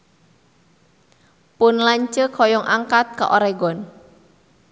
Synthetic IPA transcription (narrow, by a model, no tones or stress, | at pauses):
pʊnlaɲt͡ʃəkʰɔjɔŋʔaŋkat̪̚ka̰ʔoɾɛɡɔn